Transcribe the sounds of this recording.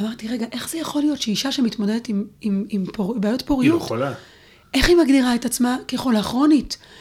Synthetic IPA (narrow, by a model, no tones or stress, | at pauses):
amaʁtiʁe̞ɡaʔe̞χz̥ejaχo̞lijo̞tʃeiʃaʃemitmo̞dedetimimimpobeaːjo̞tpoʁijuχa | ʔe̞χimaɡdiʁae̞tat͡smakeχolaːχʁo̞nit